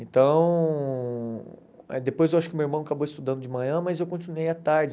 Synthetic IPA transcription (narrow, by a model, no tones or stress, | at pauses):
ẽnt̪ɐ̃w̃ | ɛ̰d̪epojzewaʃʊkɪmewiɾmɐ̃w̃akaboist̪ud̪ɐ̃nd̪ʊd͡ʒɪmɐ̃ɲɐ̃mɐzewkõt͡ʃinuejat̪aɾd͡ʒɪ